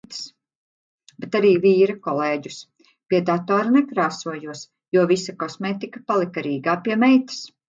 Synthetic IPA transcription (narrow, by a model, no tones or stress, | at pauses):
t̪s | bet̪aɾiːviːɾakɔleːɟʲus | piɛd̪at̪ɔːɾanɛkɾaːsuɔjuɔs | juɔvisakɔsmeːt̪ikapalˠikaɾiːɡaːpiɛmɛjt̪i̥s